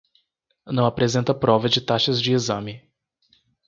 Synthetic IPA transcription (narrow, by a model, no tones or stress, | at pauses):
nɐ̃w̃apɾezẽnt̪ɐpɾɔvɐd͡ʒɪt̪aʃɐzd͡ʒɪizɐ̃mɪ